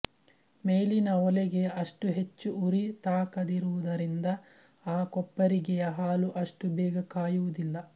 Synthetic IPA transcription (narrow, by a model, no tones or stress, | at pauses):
meːlinɐɔlɛɡe̞ɐʂʈuɦe̞t͡ʃːuuɾit̪aːkɐd̪iɾuʋud̪ɐɾind̪ɐ | aːkɔpːɐɾiɡɛjɐɦaːluʔɐʂʈubɛːɡɐkaːjuʋud̪ilːɐ